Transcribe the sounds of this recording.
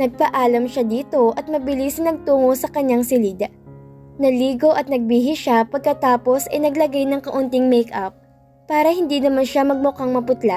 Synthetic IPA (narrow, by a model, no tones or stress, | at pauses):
nɐɡ̚pɐʔaːlɐmʃad̪iːt̪o̞ʔɐt̪̚mɐbɪlisɐnɐɡ̚t̪uːŋosɐkɐɲːaŋsɪlid̪ | nɐliːɡo̞ʔɐt̪̚nɐɡ̚biɦɪʃapɐɡ̚kɐt̪aːpo̞sʔɐ̰jnɐɡlɐɡajnɐŋkɐʔʊnt̪ɪŋmɛjkʔap̚ː | aːɾɐhɪnd̪inɐmanʃamɐɡ̚mʊkaŋmɐpʊt̪la